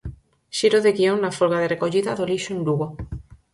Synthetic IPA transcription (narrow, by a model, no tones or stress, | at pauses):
ʃiɾoðeɣioŋnafoɾɣaðerekoʎiðaðoliʃoẽnluɣo